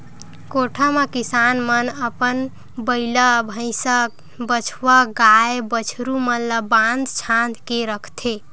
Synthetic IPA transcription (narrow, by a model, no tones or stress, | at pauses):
koʈʰəmekisanmənəpən | bəɪləbʱə̃ɪ̃sək̚ | bət͡ʃʰʋəɡaebət͡ʃʰɾumənləband̪t͡ʃʰãnt̪keɾəkʰt̪ʰe